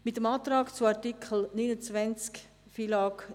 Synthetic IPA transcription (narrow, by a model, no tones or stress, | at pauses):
mɪtəmɑːt̪ɾɑːkt͡suɑɾtikʰl̩nynət͡svɛnt͡sk | filɑːk